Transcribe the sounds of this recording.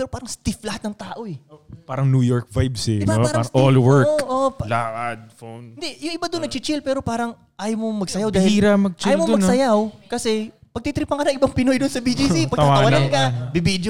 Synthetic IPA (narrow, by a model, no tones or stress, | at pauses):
pɛːɾopaːɾɐŋst̪iflɐhat̪nɐŋt̪aːʔo̞ɛopaːɾɐŋnuːjoɹk̚vajbsɛɪaaɾʔolwɛɹʔolaʔad̪̚fonɪnd̪ɛjʊŋʔɪbad̪onɐɡ̚t͡ʃɪt͡ʃɪlpɛːɾo̞paːɾɐŋ | ʔaːjomomɐɡ̚sɐjawd̪aːhɪliɾɐmɐɡ̚t͡ʃːijomodɐɡsɐjawkɐsɛ | pɐɡ̚t̪it̪ɾipɐŋkɐnɐŋʔɪbaŋpɪnojd̪ʊnsɐbid͡ʒisipɐɡ̪̚ɐtwɐaɐwannkɐbibid̪jo